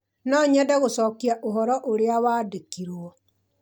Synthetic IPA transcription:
nɔɲadaɣosɔkiaʔoɦɔɾɔʔoɾeawadekiɾwɔ

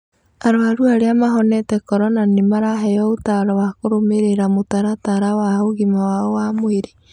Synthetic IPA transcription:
aɾoaɾuaɾeamaɦɔnɛtɛkɔɾɔnanemaɾaɦɛjɔotaɾɔwakoɾomeɾeɾamotaɾataɾawaɦoɣimawaɔwamoeɾe

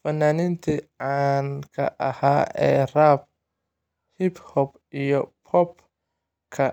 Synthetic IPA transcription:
fɐnaːnɪnt̪ʰiʕankʰɐ̰ʔɐhaɛɾab̚ | hiphɔp | ijɔpʰɔp̚ | kʰɐ

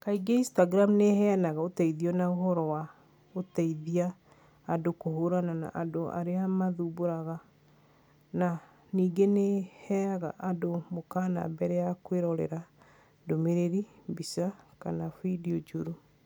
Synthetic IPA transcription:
kaiɡeinstaɡɾamnehɛanaɣaotɛiðiɔnaoɦɔɾɔwa | otɛiðiaː | dokohoɾanana̰ʔadoa̰ɾeamaðuboɾaɣa | na | niːɡenehɛaɣaʔadomokaːna̰bɛɾɛjakweɾɔɾɛ̰ɾa | domeɾeɾibisakanafidiɔd͡ʒuɾu

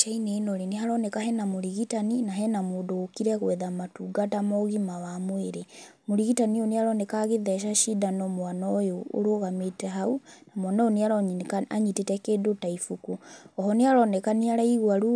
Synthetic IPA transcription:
t͡ʃaineːnoɾeneɦaɾɔnɛkaɦɛnamoɾiɣitaninaɦɛnamoːndoːkiɾɛɣwɛðamatuɡatamɔɣimawamweɾemoɾiɣitanioneaɾɔnɛkaɣeðɛʃaʃidanɔmwanɔjo̰ːɾoɣametɛɦaunamwanɔjoneaɾɔɲkaɲitetɛkeːdotaifukuɔhɔneaɾɔnɛkaniaɾaiɣwaɾu

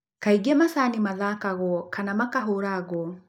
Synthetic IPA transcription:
kaiɡɛmasanimaðakaɣɔkʰanamakaɦoɾaɣɔ

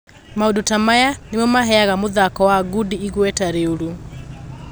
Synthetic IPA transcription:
maudutamajanemɔmaɦɛaɣamoðakɔwaːɡudiːɣwɛtaɾeuɾu

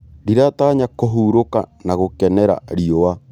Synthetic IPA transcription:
ɾiɾataːɲakoɦuːɾoka̰naɣokɛnɛɾa̰ɾiowa

